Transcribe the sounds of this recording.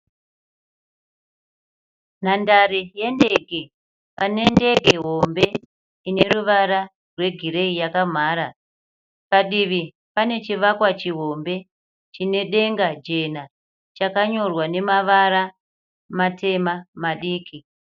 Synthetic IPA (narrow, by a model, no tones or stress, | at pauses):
n̤andaɾeje̞nde̞ɡʱe̞ | pane̞nde̞ɡʱe̞ɦo̞mbe̞ | ine̞ruʋaɾa | rwe̞ɡʱiɾe̞ijakam̤aːɾa | paɗiʋi | pane̞t͡ʃiʋakwat͡ʃiɦo̞mbe̞ | t͡ʃine̞ɗe̞ŋɡad͡ʒe̞na | t͡ʃakaɲo̞rwane̞maʋaɾa | mate̞mamaɗiːkʰi